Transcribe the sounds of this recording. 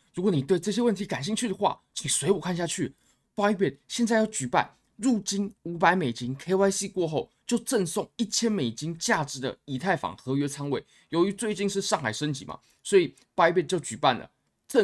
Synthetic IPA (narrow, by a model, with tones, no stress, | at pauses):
ɻu˧˥kwɔ˧˦ni˨˩we˥˧ɪʈ͡ʂɤ˥˩ɕjɛ˥wə˥˨nt̪ʰi˨˥ka˨˩nɕi˥˧ŋt͡ɕʰy˥˩d̪ə˩xwa̰˥˩t͡ɕʰi˨˩ŋswe˧˥ɪwɔ˨˩kʰa˥˧nɕja˥˧t͡ɕʰy˥˩ | pa˥i˥pɛ˥˩tɕjɛ˥˧nt͡sa˥˧ɪjɑ˥˩ʊt͡ɕy˨˩pa̰˥˩n | ɻu˥˩t͡ɕi˥nu˧˥pa˧˥ɪme˨˩ɪt͡ɕi˥ŋkʰe˥ɪwa˥ɪsi˥˧kwɔ˥˧xo˥˩ʊt͡ɕjo˥˧ʊʈ͡ʂə˥˧nsɔ˥˧˨ŋi˥˩t͡ɕʰjɛ˥nme˨˩ɪt͡ɕi˥ŋt͡ɕja˥˨˩ʈ͡ʂɻ̩˨˥d̪ə̰˨i˨˩t̪ʰa˥˩ɪfɑ̰˨˩˦ŋxɤ˧˥ɥɛ˥t͡sʰɑ˥ŋwe˥˩ɪ | jo˧˥ʊy˧˥t͡swe˥˧ɪt͡ɕi˥˧nʂ̬ɻ̩˥˧ʂɑ˥˩ŋxa˨˩ɪʂə˥nt͡ɕḭ˨˩mɐ̰˨˩ | swɔ˧˥i˨˩ | pa˥i˥pɛ˥˩t͡ɕjo˥˩ʊt͡ɕy˨˩pa˥˩nlə̰˩ | ʈ͡ʂə˥˧